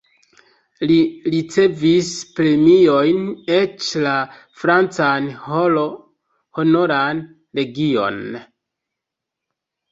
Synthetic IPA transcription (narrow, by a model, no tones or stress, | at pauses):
liɾit͡se̞vispɾe̞mio̞jne̞t͡ʃla | fɾant͡sanholo | hono̞ɾan | ɾe̞ɡio̞̰n